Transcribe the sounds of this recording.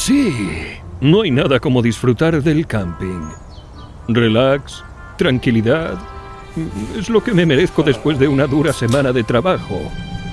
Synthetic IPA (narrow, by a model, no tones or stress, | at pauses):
si | no̞ajnaðako̞mo̞ðisfɾut̪aɾðe̞lkampḭŋ | re̞laks | t̪ɾaŋkiliðað | e̞zlo̞ke̞me̞me̞ɾeθko̞ðe̞spwe̞zðe̞unaðuɾase̞mãnaðe̞t̪ɾaβaxo̰